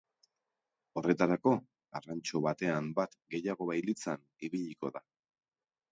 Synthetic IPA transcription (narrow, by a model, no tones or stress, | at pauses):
o̞re̞t̪aɾako̞ | arant͡ʃo̞βat̪e̞ambat̪ɡe̞jaɣ̞o̞βajlit͡san | iβiʎiko̞ða